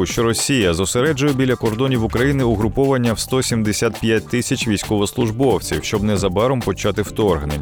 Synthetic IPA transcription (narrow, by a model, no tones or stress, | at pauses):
ʊʃt͡ʃɔɾɔsʲijɐzɔseɾɛd͡ʒʊjɛbʲilʲːɐkɔrd̪ɔnʲiwʊkɾɐjinɪʊɦɾʊpɔʋɐnʲːɐwst̪ɔsʲimd̪esʲat̪pʲjat̚ʲt̪ɪsʲɐt͡ʃʋʲijsʲkɔʋɔslˠʊʒbɔwt͡sʲiwʃt͡ʃɔbnɛzɐbɑɾɔmpɔt͡ʃɑt̪ɪwt̪ɔrɦnḛnʲ